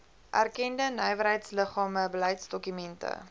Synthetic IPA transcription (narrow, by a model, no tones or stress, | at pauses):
ʔærkɛndənœjvəɾɦəjtsləχɑːməbələjtsdɔkymɛntə̰